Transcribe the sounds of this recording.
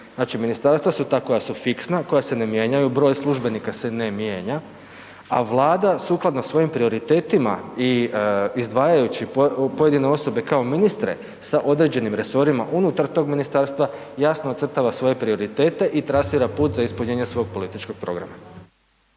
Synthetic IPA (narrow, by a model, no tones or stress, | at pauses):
znaːt͡ʃiminist̪aɾst̪ʋasut̪aːko̞jasufiksnako̞jasenemje̞ːɲajubɾo̞jslˠuʒbe̞nikase̞nemjeːɲa | a̰ʋlˠaːd̪asuklˠad̪nosʋo̞jimpɾio̞ɾit̪e̞ːt̪ima̰iizd̪ʋaːjajut͡ɕipoje̞d̪ine̞o̞so̞be̞kao̞minist̪ɾe̞̰ | saʔo̞d̪ɾe̞ːd͡ʑe̞nimɾe̞so̞ɾimaʔunut̪aɾt̪o̞ːɡminist̪aɾst̪ʋajasnoːt̪sər̩t̪aʋasʋo̞je̞pɾioɾit̪e̞ːt̪e̞ʔit̪ɾasiːɾapuːt̪zaispuɲeːɲesʋo̞ɡ̚po̞lit̪it͡ʃko̞ɡ̚pɾo̞ɡɾa̰ma